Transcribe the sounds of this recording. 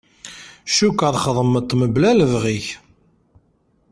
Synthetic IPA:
ʃukːəðˤχəðˤəmːət̪ˤːməblæləvʁiç

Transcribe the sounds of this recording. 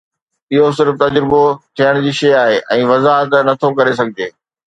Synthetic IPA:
ɪɦos̬ɪɾft̪ɐd͡ʑɾɪbot̪ʰijəɽ̃d͡ʑiːʃɐjaːɦeːʔɛ̃ːʋɐzaːɦət̪̬nɐt̪ʰokɐɾes̬ɐɡʱɪd͡ʑeː

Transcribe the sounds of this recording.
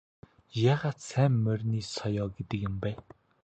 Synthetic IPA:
jaːʁaːt̪sæːmːœrʲniːsɔjɔːɡet̪ɘ̆kjʊ̆mpæː

